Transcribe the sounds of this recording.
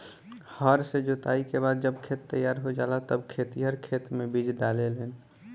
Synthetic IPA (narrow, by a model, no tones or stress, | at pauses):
həɾsed͡ʒot̪aikebad̪̚d͡ʒəbkʰet̪ːəjːaɾɦod͡ʒalat̪əbkʰet̪iɦəɾkʰet̪mebid͡ʒɖalelən